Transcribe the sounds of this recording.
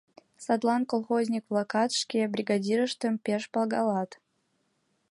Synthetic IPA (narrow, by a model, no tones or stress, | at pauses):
sɑd̪lˠɑnkolˠχozʲnʲik̚blˠakɑt̪ʂkʲebɾʲiɡɑdʲiɾəʃt̪ə̆mpʲeʃpɑlˠɡɑlˠɑt̪